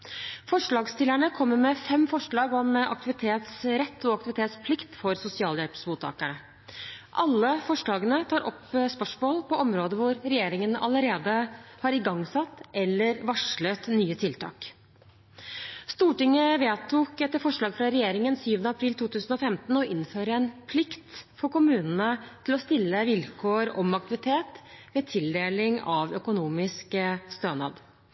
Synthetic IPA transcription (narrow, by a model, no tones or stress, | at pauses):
fɔʂɭɑːɡst̪ɪlæɳəkʰɔmːəmɛfɛmfɔʂɭɑːɡɔmʔɑ̰kt̪ɪʋɪt̪ʰeːt̪sɾɛt̪ʰːɔɑkt̪ɪʋɪt̪ʰeːt̪spʰlɪkt̪fɔɾsʊsɪɑːljɛlpsmuːt̪ʰːɑ̰ːkæɳə | ʔɑlːəfɔʂɭɑːɡənət̪ʰɑːɾʔɔpspœʂmoːlpʰɔʔɔmɾoːd̪əʋʊɾɾɛjeːɾɪŋənɑ̰ləɾeːd̪əhɑɾɪɡɑŋːsɑt̪ːɛlːəɾʋɑʂɭət̪nyːət̪ʰɪlt̪ʰɑ̰ːk | st̪uːʈɪŋəʋeːt̪ʰuːkɛt̪ːəɾfɔʂɭɑːɡfɾɑɾɛjeːɾɪŋənsyːʋənəɑpʰɾiːlt̪ʰuːt̪ʰʉːsn̩ɔfɛmt̪n̩ɔʔɪnːføːɾəɛnpʰlɪkt̪fɔɾkʊmʉːnənət̪ʰɪlɔst̪ɪlːəʋɪlkʰoːɾɔmɑk̚t̪ɪʋɪt̪ʰeːt̪ʋeːt̪ʰɪld̪eːlɪŋɑʋœkʊnuːmɪskəst̪øːnɑ̰ːd̪